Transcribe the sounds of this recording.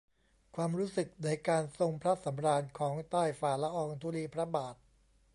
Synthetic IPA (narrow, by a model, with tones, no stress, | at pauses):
kʰwaː˧mɾuː˦˥sɯ˨˩k̚naː˧˩jkaː˧nso˧ŋpʰɾa˦˥sa˩˦mɾaː˧nkʰɔː˩˦ŋt̪aː˥˩jfaː˨˩la˦˥ʔɔː˧ŋt̪ʰuː˧liː˧pʰɾa˦˥baː˨˩t̪̚